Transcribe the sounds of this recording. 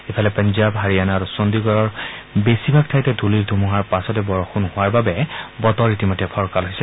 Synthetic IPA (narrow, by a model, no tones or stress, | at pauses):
epʰalɛpanzabɦaɹianaɹusondiɡɔɹɔɹbesibʱak̚tʰajtɛdʱuliɹdʱumuɦaɹpasɔtɛbɔɹɔxunhʊwaɹbabɛbɔtɔɹitimɔjtːɛpʰɔɹkalɦojsɛ